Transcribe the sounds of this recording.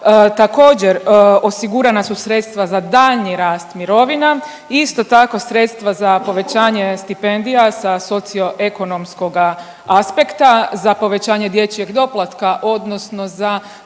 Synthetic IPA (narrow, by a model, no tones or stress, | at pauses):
t̪ako̞ːd͡ʑe̞ɾo̞siɡuɾanasusɾe̞t̪st̪ʋazad̪aːʎɲiɾaːst̪miɾo̞ʋina | ist̪o̞t̪ako̞sɾet̪st̪ʋazapo̞ʋe̞t͡ɕaːɲe̞st̪ipend̪ijasaso̞t̪sijo̞ʔe̞ko̞no̞msko̞ɡa | aspe̞kt̪azapo̞ʋe̞t͡ɕaːɲe̞d̪je̞t͡ʃie̞ɡd̪o̞plˠat̪kaʔo̞d̪no̞sno̞za